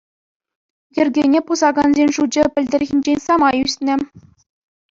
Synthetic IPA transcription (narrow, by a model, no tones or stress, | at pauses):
jɘ̆rʲɡʲenʲepuzɑɡɑnzʲenʲʐud͡ʑɘ̆pʲɘ̆lʲdʲɘ̆rʲɣʲinʲd͡ʑenʲsɑmɑjysʲnʲɘ̆